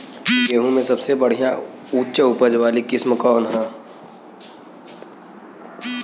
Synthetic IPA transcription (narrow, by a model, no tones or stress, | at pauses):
jeːɦũmẽsɐbsebɐɽ̤ijã | uːt͡ʃəʊpəd͡ʒʋaːlikɪsməkɔːnɦãː